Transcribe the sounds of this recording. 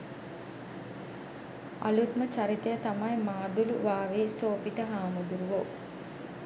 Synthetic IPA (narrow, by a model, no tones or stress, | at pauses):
a̰lut̪mət͡ʃaɾit̪əjət̪amɐjmaːd̪uluʋaːʋeːsoːpit̪əɦaːmud̪uɾuʋo